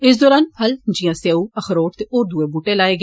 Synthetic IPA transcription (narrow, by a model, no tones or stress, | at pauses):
ɪs̬d̪ɔːɾaːnpʰəld͡ʒijãːseːuːəxʰɾoːʈ̚t̪eʔoːɾd̪ueːbuːʈeːlaːeːɡ